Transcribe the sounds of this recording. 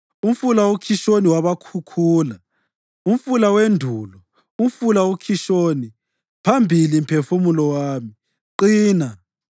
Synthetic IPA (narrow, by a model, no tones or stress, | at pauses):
um̩fulawokʰiʃoniwaβakʰukʰuːla | um̩fulawendʱulɔ | um̩fulawokʰiʃoːni | pʰambʱilim̩pʰefumulɔwaːmi | ǃiːna